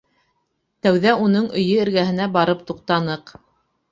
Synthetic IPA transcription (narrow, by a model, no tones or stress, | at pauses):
t̪æwðæunɤɴɵ̆jɵɘ̆ɾɡæɦɘ̆næbɑɾɤp̚t̪uq̚t̪ɑnɤq